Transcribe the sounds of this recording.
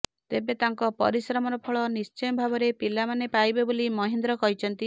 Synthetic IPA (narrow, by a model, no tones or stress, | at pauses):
t̪ebet̪aŋkɔpɔ̰ɾisɾɔmɔɾɔpʰɔɭɔnist͡ʃɔjbʱabɔɾepilamanepajbebolimɔɦind̪ɾɔkɔɦit͡ʃʰɔnt̪i